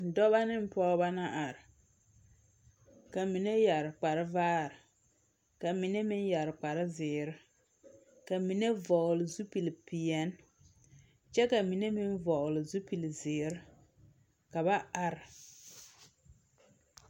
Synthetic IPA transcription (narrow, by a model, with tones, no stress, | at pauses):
dɔ˦ba˦nɪ˦m˦pɔː˦ba˦na˦ʔa˨ɾɪ˨ | ka˨mi˨ne˦ja˨ɾk͡pa˨ɾɪ˦vaː˦ɾɪ˨ | ka˨mi˨ne˦mɪ˦nja˨ɾk͡pa˨ɾɪ˦zɪː˨ɾɪ˦ | ka˨mi˨ne˦vɔ˨lɪ˨zu˦pi˨lpi˨jɛ˦n | t͡ʃɛ˦ka˨mi˨ne˦mɪ˦nvɔ˨ʔlɪ˨zu˦pi˨lzɪː˨ɾɪ˦ | ka˨ba˦a˨ɾɪ˨